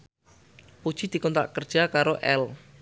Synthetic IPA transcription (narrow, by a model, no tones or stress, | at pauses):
pud̥ʒ̥id̪̥i̤kɔnt̪a̰ʔkərd̥ʒ̥akaɾoʔɛl